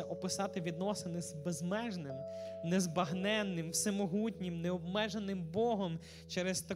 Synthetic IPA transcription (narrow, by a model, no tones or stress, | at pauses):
ɐʔɔpɪsɑt̪ɪʋʲid̪nɔsɪnɪzbezmɛʒnɪmnezbɐɦnɛnːɪmwsɛmɔɦutʲnʲimneɔb̚mɛʒenːɪmbɔɦɔm | t͡ʃɛɾezt̪ɐ